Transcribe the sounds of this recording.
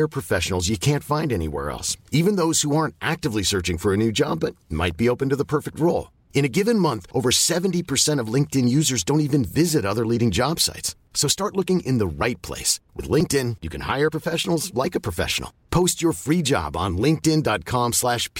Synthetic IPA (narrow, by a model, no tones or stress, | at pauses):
ə˞pʰɹ̥ɨfɛʃn̩l̩ˠzjɨkʰæ̃ntfãɪ̃ndɛnḭwɛ̰ɹɛ̰lˠsivɨ̃nðoʊz̥huɑɹ̃ntʔæk̚tɨvlisɜ˞t͡ʃɪ̃ŋfə˞ɨnʉd͡ʒɑ̰bʌt̚ma̰ɪt̚b̥ioʊpɨ̃n̩tɨðəpʰɜ˞fɨk̚t̚ɹoʊlˠ | ɨ̃ɾ̃ɨɡɪvɨ̃nmʌ̃nθʔoʊvə˞sɛṽn̩tipʰə˞sɛ̃ɾ̃ʌvlɪ̃ŋk̚tɨ̃njʉzə˞zdõʊ̃ntivɨ̃nvɪzɨɾʌðə˞liɾɪ̃ŋd͡ʒɑb̥sa̰ɪtsː | oʊstɑɹʔˡlʊkɪ̃ŋʔɪ̰̃nðəɹaɪt̚pʰl̥ḛɪswɨ̰ðlɪ̃ŋk̚tɪ̃njɨkʰɨ̃nha̰ɪə˞pʰɹ̥əfɛʃn̩l̩ˠzlaɪkɨpʰɹ̥ɨfɛ̰ʃn̩l̩ˠpʰoʊst͡ʃə˞fɹid͡ʒɑ̰b̃n̩lɪ̃ŋk̚tɪ̃ndɑt̚kʰɑ̃mslæʃpʰ